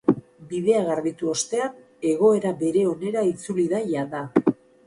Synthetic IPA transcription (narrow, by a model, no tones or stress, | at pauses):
bið̞e̞aɣaɾðit̪uo̞st̪e̞an | e̞ɣ̞o̞e̞ɾabe̞ɾe̞o̞ne̞ɾait͡suliðajand̪a